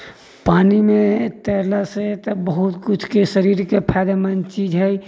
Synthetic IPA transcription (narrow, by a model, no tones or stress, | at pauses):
paːnimẽt̪ɛːlaset̪bəɦʊt̪kʊt͡ʃʰkesəɾiːɾkepʰɛːd̪amənt͡ʃiːd͡ʒɦɛj